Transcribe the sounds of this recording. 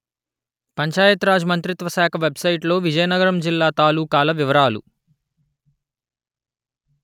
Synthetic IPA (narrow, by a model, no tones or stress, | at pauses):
pɐɲt͡ʃaːjɐt̪ɾaːd͡ʒmɐnt̪ɾit̪ʋɐsaːkʰɐʋebsɐjʈlo̞ːʋid͡ʒɐjɐnɐɡɐɾɐmd͡ʒilːaːt̪aːluːkaːlɐʋiʋɐɾaːlṵ